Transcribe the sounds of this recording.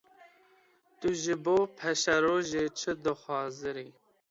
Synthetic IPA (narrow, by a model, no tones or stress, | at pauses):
t̪uʒɪboːpʰɛʃɛɾoːʒeːt͡ʃʰɨd̪ɨxʷɑːzɨɾi